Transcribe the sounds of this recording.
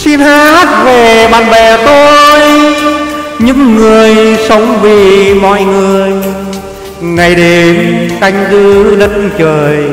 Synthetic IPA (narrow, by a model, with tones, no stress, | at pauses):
si˧nha˦˥t̚ve˨˩ɓaː˧˩nɓɛ˧˩t̪o˧j | ɲɨ̰˧˥ŋːɨ˨˩əjsə˨˦wŋ͡mvi˨˩mɔ̰˧˨jŋɨ˨˩əj | ŋa˨˩jɗe˨˦mka˧jŋ̟zɨ˧lə˦˥t̚ːt͡ɕəː˨˩j